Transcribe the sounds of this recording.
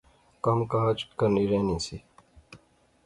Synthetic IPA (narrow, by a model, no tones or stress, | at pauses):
kɐmkaːt͡ʃkəniɾeːnĩːsi